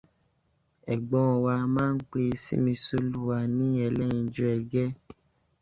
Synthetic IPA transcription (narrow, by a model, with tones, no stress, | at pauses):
ɛ˨ɡ͡bɔ̃˨˦˧wa˧mãː˦n̩˦k͡pe˧sḭ˦mĩ˧so˦lu˦˨wa˧nĩ˦ɛ˧˨lɛ˦˨ĩ˧˦d͡ʒɔ˧˦ɛ˧ɡɛ˦